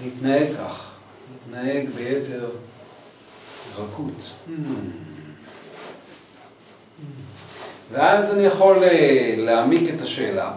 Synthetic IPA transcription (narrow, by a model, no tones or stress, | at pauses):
nit̪naeɡ̚kːaχ | nit̪naeɡbejeteʁ | ʁakʰut | veazanijaχo̞leleamiket̪aʃe̞̰ːla̰